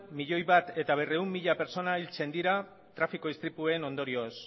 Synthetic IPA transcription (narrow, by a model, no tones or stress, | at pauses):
miʎo̞jβat̪e̞t̪aβ̞e̞re̞umːiʎape̞ɾt͡so̞nailt͡se̞nd̪iɾa | t̪ɾafiko̞ist̪ɾipueno̞nd̪oɾio̞s